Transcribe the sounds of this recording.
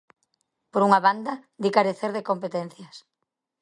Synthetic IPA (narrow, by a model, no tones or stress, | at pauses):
poɾuŋaβand̪ɐd̪ikaɾeθeɾðekompet̪ɛn̟θjɐs